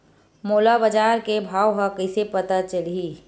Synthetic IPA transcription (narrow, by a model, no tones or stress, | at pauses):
moːlabəd͡ʒaːɾkebʱaːwɦəkəɪsepət̪at͡ʃəlii